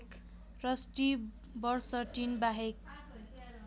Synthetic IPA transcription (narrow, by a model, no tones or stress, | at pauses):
k | rʌsʈi | bʌrsʌʈinbaɦek̚